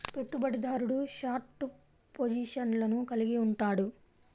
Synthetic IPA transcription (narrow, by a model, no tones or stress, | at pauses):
pe̞ʈːubɐɽid̪aːɾuɽuʃaːɾʈu | pod͡ʒiːʂɐnlɐnukɐliɡiuɳʈaːɽu